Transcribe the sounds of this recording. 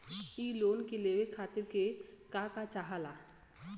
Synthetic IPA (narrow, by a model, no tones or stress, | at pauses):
iːloːnkeleːʋekʰaːt̪ɪɾkekakat͡ʃaɦalaː